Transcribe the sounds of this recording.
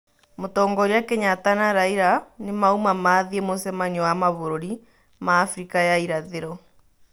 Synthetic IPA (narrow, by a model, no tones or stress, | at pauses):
motɔːŋɡɔɾejakeɲatanaɾaiɾanemaumamaðiemosɛmaɲɛwamaβoɾoɾi | maːfɾikajaiɾaðeɾɔ